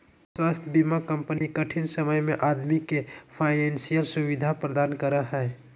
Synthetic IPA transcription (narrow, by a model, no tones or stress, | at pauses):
swast̪ʰəbimakəmpənikəʈʰinsəməjmẽʔad̪mikːepʰaɪnensijəlsuwid̪ʱapɾəd̪aːnkəɾəɦɛː